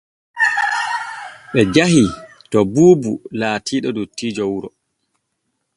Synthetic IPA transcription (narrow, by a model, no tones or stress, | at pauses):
ɓɛd͡ʒahi | tɔbuːbulaːtʰiːɗɔdutːiːd͡ʒɔwuɾɔ